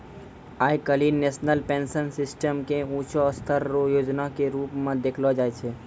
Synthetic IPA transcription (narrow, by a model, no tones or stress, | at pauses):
aːjkəlineːsnəlpẽːnsənsɪsʈəmkeuːt͡ʃoːst̪ʰəɾojoːd͡ʒnakeɾuːpmẽd̪eːkʰlod͡ʒaːet͡ʃʰe